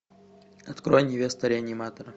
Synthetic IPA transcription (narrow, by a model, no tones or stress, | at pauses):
ɐt̪kɾojnʲɪvʲest̪əɾʲɪɐnʲɪmat̪əɾə